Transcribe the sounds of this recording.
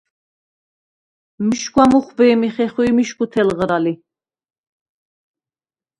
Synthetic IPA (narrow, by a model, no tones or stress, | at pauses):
miʃɡwamuχbɛːmiχɛχuimiʃkʰut̪ʰɛlʁɾali